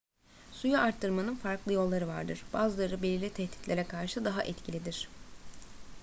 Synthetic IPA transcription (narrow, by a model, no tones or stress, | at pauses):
sujaʔaɾt̪ʰːɯɾmanɯnfaɾklˠɯjo̞lˠːaɾɯva̰ɾd̪ɯɾ̥b̥aːzɯlˠaɾɯbelʲilʲit̪ʰɛht̪it̪lʲeɾɛkʰaɾʃɯd̪aɦaʔɛt̪cʰilʲid̪iɾ̥